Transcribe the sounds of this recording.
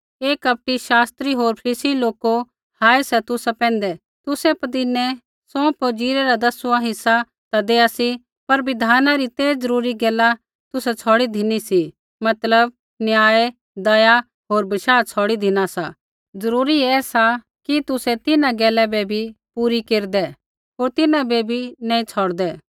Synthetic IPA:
eːkɐp̚ʈiʃaːst̪ɾiɦoːɾpʰɪsiloːko | haːesɛt̪ʊsapɛ̃ːnd̪ɛ | t̪ʊsɛpɐd̪ɪnɛ̃ | sɔ̃poːd͡ʒiːɾɛɾad̪ɐsuãɦɪsa | t̪ad̪eːasi | pɐɾbɪd̪ʱaːnãɾit̪eːd͡zɐɾuːɾiɡɛːla | t̪ʊsɛt͡sʰɔːɽid̪ʱɪnisi | mɐt̪ləb̚ | njaːe | d̪ɐja | ɦoːɾbɐʃaːt͡sʰɔːɽid̪ʱɪnasa | zɐɾuːɾiɛːsa | kit̪ʊsɛt̪ɪnãɡɛːlɛbɛbʱipuːɾikeːɾd̪ɛ | ɦoːɾt̪ɪnãbebʱinãːĩt͡sʰɔːɽd̪ɛː

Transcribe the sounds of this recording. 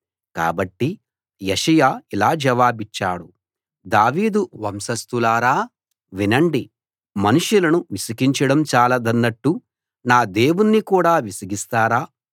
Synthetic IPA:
ka̰ːbɐʈːi | jeʂɐjaːilaːd͡ʒɐʋaːbit͡ʃːaːɽu | d̪aːʋiːd̪uʋɐmsɐst̪ulaːɾaː | ʋinɐɳɖi | mɐnuʂjulɐnuʋisɐkiɲt͡ʃɐɽɐmt͡ʃaːlɐd̪ɐnːɐʈːu | naːd̪e̞ːwunːikuːɽaːʋisɐɡist̪aːɾaː

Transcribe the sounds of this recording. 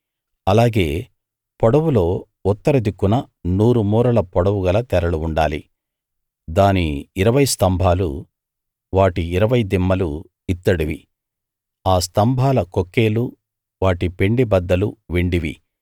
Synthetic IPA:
ɐlaːɡe̞ː | pɔɽɐwulo̞ː | ut̪ːɐɾɐd̪ikːunɐ | nuːɾumuːɾɐlɐpɔɽɐwuɡɐlɐt̪ɛɾɐluːɳɖaːlḭ | d̪aːniːɾɐʋɐjst̪ɐmbʱaːlṵ | ʋaːʈiːɾɐʋɐjd̪imːɐlu | it̪ːɐɽiʋi | aːst̪ɐmbʱaːlɐkokːe̞ːlu | ʋaːʈipe̞ɳɖibɐd̪ːɐluʋeɳɖiʋḭ

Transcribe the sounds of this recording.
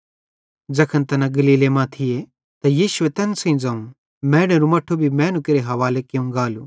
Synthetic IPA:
d͡ʒɐkʰənt̪ɐnaɡɐliːlemãt̪ʰɪje | t̪ɐjiːʃʊet̪ɐnsɐ̃ĩd͡ʒãːũ | mɛ̃ːɽ̃eɾumɐʈʰːobʱimɛ̃ːnũkɪɾeɦɐʋaːlekeũɡaːlṵ

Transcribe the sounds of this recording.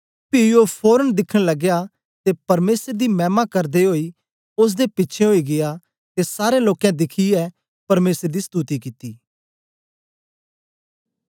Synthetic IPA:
pɪjopʰoːɾənd̪ɪkʰəɽ̃ləɡja | t̪epɐɾmeːsəɾd̪imɛ̃ːmakɐɾd̪eɦoːi | ʊs̬d̪epɪtːt͡ʃʰeɦoːiɡɪja | t̪esaːɾeloːkɛ̃d̪ɪkʰiɛ | pɐɾmeːsəɾd̪ist̪uːt̪ikit̪iː

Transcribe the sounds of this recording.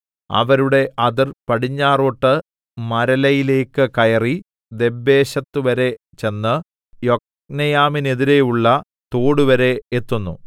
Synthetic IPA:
ɐ̰ʋɐɾuɽe̞ʔʔɐðirpɐɽiɲːaːroːʈːɨ | mɐɾɐlɐjile̞ːkːɨkɐjɐri | d̪e̞bːe̞ːɕɐt̪ːuʋɐɾe̞ | t͡ɕe̞nːɨ | jo̞k̚ | nɐjaːmine̞ðiɾe̞juɭːɐ | t̪oːɽuʋɐɾe̞ːt̪ːunːṵ

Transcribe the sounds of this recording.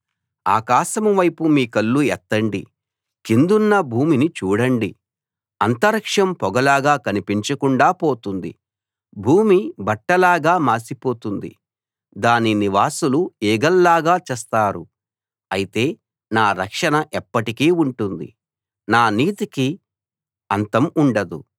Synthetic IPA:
a̰ːkaːʃɐmuʋɐjpumiːkɐlːuɛt̪ːɐɳɖḭ | kind̪unːɐbʱuːminit͡ʃuːɽɐɳɖi | ɐnt̪ɐɾɐkʂɐmpɔɡɐlaːɡaːkɐnipiɲt͡ʃɐkuɳɖaːpo̞ːt̪und̪ḭ | bʱuːmibɐʈːɐlaːɡaːmaːsipo̞ːt̪und̪ḭ | d̪aːniniʋaːsulueːɡɐlːaːɡaːt͡ʃɛːst̪aːɾu | ɐjit̪e̞ː | naːɾɐkʂɐnɐʔɛpːɐʈikiːuɳʈund̪ḭ | naːniːt̪iki | ɐnt̪ɐmuɳɖɐd̪ṵ

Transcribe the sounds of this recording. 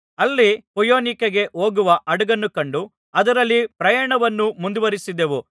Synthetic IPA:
ɐlːipɔjoːnikɐɡe̞ʔoːɡuʋɐʔɐɽɐɡɐnːukɐɳɖu | ɐd̪ɐɾɐlːipɾɐjɐːɳɐʋɐnːumund̪uʋɐɾisid̪eʋu

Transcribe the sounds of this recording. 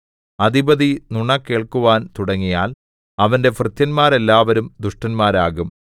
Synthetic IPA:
ɐd̪ibɐðinuɳɐkːeːɭkuʋaːnt̪uɽɐŋːijaːl | ɐʋɐnde̞frɨt̪jɐnmaːɾe̞lːaːʋɐɾumd̪uʂʈɐnmaːɾaːɣum

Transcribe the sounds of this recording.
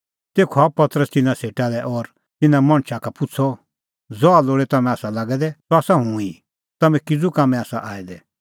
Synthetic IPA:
t̪eːkʰoapɐt̪əɾəst̪ɪnãseːʈalɛʔɔɾ | t̪ɪnãmɐ̃ɽ̃ʃʰakapʊt͡sʰɔ | d͡zɔaloːɽɛt̪ɐmɛ̃aːsalaːɡɛd̪ɛtɔaːsaɦũi | t̪ɐmɛ̃kɪd͡zukamɛ̃aːsaʔaːid̪ɛ

